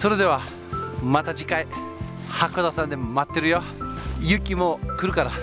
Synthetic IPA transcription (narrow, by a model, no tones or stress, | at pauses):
soɾe̞d̪e̞βa | mat̪ad͡ʑikai | hakod̪asãnd̪e̞mat̪ːe̞ɾɯjo | jɯkʲːimo̞kɯ̟ɾɯ̟kaɾa